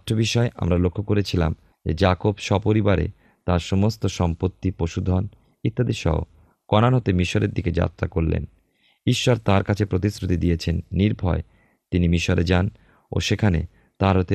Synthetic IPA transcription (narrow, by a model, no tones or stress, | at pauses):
t̪ʰːobiʃɔeʔa̰mɾalokʰːokoɾet͡ɕʰila̰m | d͡ʑḛd͡ʑakobʃɔpoɾibaɾḛ | t̪aɾʃɔmost̪oʃɔmpot̪ːipoʃud̪ʱɔn | it̪ːad̪iʃɔ̰o̰ | kɔnanɦot̪emiʃoɾeɾd̪iked͡ʑa̰t̪ːɾakoɾlḛn | iʃːɔɾt̪aɾkat͡ɕʰepɾot̪isɾut̪id̪ijet͡ɕʰenːiɾbʱɔe | t̪inimiʃoɾed͡ʑan | o̰ʃekʰanḛ | t̪aɾɦot̪e